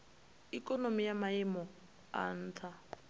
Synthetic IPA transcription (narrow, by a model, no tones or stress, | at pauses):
ikʼɔnomijamaimɔ | a̰ːn̩ːtʰa